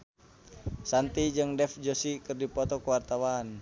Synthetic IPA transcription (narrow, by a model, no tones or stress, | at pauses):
sant̪id͡ʒɨŋdɛfd͡ʒosikɨrdipɔt̪ɔkəwart̪awan